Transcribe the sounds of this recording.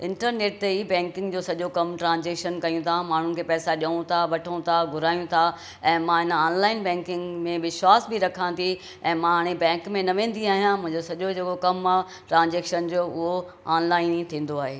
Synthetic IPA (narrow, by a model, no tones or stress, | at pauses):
ɪ̃ɳʈəɾneːʈ̚t̪eiːbɛ̃ːŋkɪ̃ŋɡd͡ʑoːsɐʄokɐmʈɾãːnd͡ʑeːkʃənkɐjũt̪ʰamaːɳ̤ʊnɪ̆kʰeːpɛːsaʄɐũt̪ʰaʋɐʈʰəũt̪ʰaɡʱʊɾaːjũt̪ʰa | ɛ̃ːmãɦɪn̆aːnlaːɪnbɛ̃ːŋkɪ̃ŋɡmẽʋɪʃwaːsbiɾɐkʰãːnd̪i | ɛ̃ːmãɦaːɽ̃ebɛ̃ːŋkmẽnɐʋẽːn̆d̪iaːɦijãmʊ̃ɦɪ̃ɲd͡ʑosɐʄod͡ʑeːkokɐma | ʈɾãːnzeːkʃənd͡ʑoːʊɦo | aːnlaːɪnit̪ʰĩːn̆d̪oaːɦeː